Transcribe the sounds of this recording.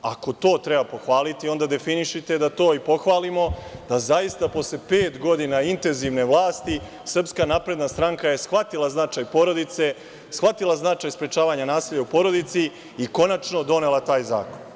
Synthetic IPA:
ako̞t̪o̞ːt̪ɾebapo̞xʋaːlit̪io̞nd̪ad̪e̞finiʃit̪e̞d̪at̪o̞ːipo̞xʋaːlimo̞d̪̥azajist̪apo̞slepe̞ːt̪ɡo̞d̪inaint̪e̞nziʋne̞ʋlˠaːst̪i | sr̩pskanapɾe̞d̪nast̪ɾaŋkaje̞sxʋat̪ilˠaznat͡ʃaːjpo̞ɾo̞d̪it̪se̞ | sxʋat̪ilˠaznat͡ʃaːjspɾet͡ʃaːʋaɲanaːsiːʎːaupo̞ɾo̞d̪it̪si | iko̞nat͡ʃno̞d̪o̞ne̞lˠat̪aːjza̰ːkon

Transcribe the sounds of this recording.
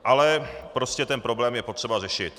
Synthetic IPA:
ʔalɛpɾoscɛt̪ɛnpɾoblɛːmjɛpo̞t̪r̝̥ɛbarɛʃɪt̪

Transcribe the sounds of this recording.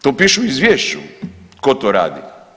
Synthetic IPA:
t̪opiʃuizʋjeʃt͡ɕṵkot̪oɾa̰ːd̪ḭ

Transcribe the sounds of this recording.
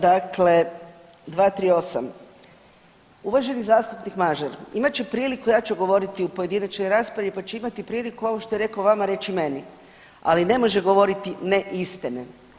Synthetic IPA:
d̪akle̞ | d̪ʋaːt̪ɾio̞sa̰m | uʋaʒe̞nizaːst̪upnikmaʒaɾimat͡ɕt͡ʃepɾiːlikujaːt͡ʃuɡo̞ʋo̞ɾit̪iupoje̞d̪inat͡ʃnojɾaːspɾaʋlʲipat͡ʃeimat̪ipɾiːlikuo̞ʋoʃt̪o̞jeɾe̞kaoʋamaɾe̞t͡ʃime̞ni | a̰line̞mo̞ʒeɡo̞ʋo̞ɾit̪ineʔist̪ine

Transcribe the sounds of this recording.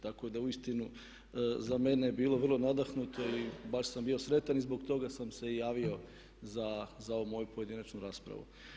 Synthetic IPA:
t̪ako̞d̪auist̪inu | zame̞nebiːlo̞ʋrlˠonad̪axnut̪o̞ibaʃsambio̞sɾe̞t̪anizboɡt̪o̞ɡasamse̞ijaːʋio̞ | zazao̞ʋumo̞jupoje̞d̪inat͡ʃnuɾaːspɾa̰ʋṵ

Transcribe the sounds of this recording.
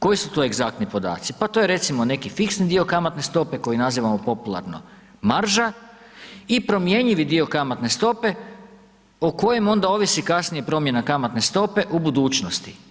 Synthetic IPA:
ko̞jisut̪o̞e̞ɡzakt̪nipo̞d̪a̰ːt̪sipat̪oje̞ɾe̞t̪simo̞ne̞kifiksnid̪io̞kamat̪ne̞st̪o̞pe̞ko̞jinaziːʋamo̞po̞pulˠa̰ɾno̞̰ | maɾʒa | ipɾo̞mje̞ɲiʋid̪io̞kamat̪ne̞st̪o̞pe̞ | oko̞je̞mo̞nd̪ao̞ʋisikasnije̞pɾo̞mje̞nakamat̪ne̞st̪o̞pe̞ʔubud̪uːt͡ʃnost̪i̥

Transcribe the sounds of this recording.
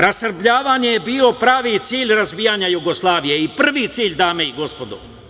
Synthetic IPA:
ɾasr̩bʎʲaːʋaːɲejebiːo̞pɾaːʋit̪siːʎɾazʋiːjaɲajuɡo̞slˠaːʋije̞ipr̩ʋit̪siːʎd̪aːmeiɡo̞spo̞d̪o̰

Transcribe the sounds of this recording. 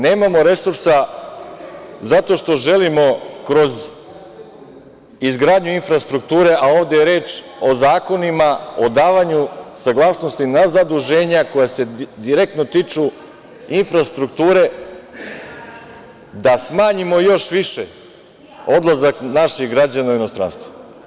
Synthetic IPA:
neːmamo̞ɾe̞suɾsa | zat̪o̞ʃt̪o̞ʒe̞limo̞kɾo̞z | izɡɾaːd̪ɲuinfɾast̪ɾuk̚t̪uːɾe̞ʔao̞ːʋd̪e̞jeɾe̞ːt͡ʃ | o̞zaːko̞nimaod̪aːʋaɲusaɡlˠaːsnost̪inazad̪uʒe̞ːɲako̞jase̞d̪iɾek̚t̪not̪it͡ʂu | infɾast̪ɾuk̚t̪uːɾe̞ | d̪asmaːɲimo̞jo̞ʃʋiʃe | o̞d̪lˠazaknaʃixɡɾad͡ʑanauino̞st̪ɾa̰ːnst̪va

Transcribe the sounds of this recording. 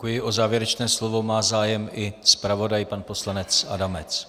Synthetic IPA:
kujɪʔozaːvjɛɾɛt͡ʃnɛːslovo̞maːzaːjɛmʔɪspɾavo̞dajpanpo̞slanɛt͡sʔa̰damɛt͡s

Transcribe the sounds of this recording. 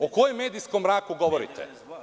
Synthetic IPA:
okojemːeːd̪ijskomɾaːkuɡoʋoɾḭt̪ʰɛ̰

